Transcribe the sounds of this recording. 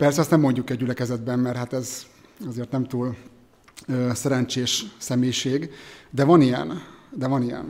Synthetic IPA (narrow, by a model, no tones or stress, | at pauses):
pɛrsɛɒst̪ɛmːo̞ɲɟukɛɟːɟylɛkɛzɛd̪̚bɛmːɛrhat̪ɛz | ɒzeːrt̪nɛmt̪uːl | øːsɛɾɛnt͡ʃeːʃsɛmeːjʃeːɡd̪ɛvɒnijɛ̰nd̪ɛvɒnijɛ̰n